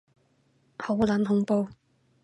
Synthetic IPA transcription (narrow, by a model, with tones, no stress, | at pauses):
ho˨˥wlɐ˨˥mɦʊ˨˧˥ŋpo˧w